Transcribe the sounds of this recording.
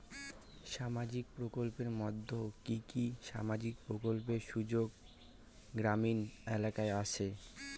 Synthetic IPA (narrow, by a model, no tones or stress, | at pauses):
ʃamad͡ʑik̚pɾokolpeɾmɔd̪ʱːokikiʃa̰mad͡ʑik̚pɾokolpeɾʃud͡ʑoɡ | ɡɾaminelakaeat͡ɕʰe